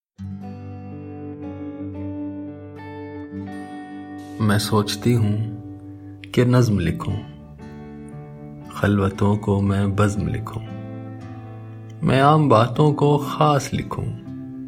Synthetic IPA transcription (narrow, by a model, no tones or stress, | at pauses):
mɛ̃ːsoːt͡ʃt̪iɦũ | kenɐzmlɪkʰṵ̃ː | xɐlwət̪õkomɛ̃ːbɐzmlɪ̰kʰũː | mʔɛ̰̃ːaːmbaːt̪õkoxaːslɪ̰kʰṵ̃ː